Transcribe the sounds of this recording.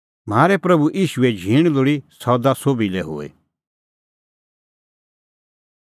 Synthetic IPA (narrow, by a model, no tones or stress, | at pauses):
m̤aːɾɛpɾɐbuʔiːʃʊɛd͡ʒʱiːɽ̃loɽisɔːd̪asoːbilɛɦo̰ːḛ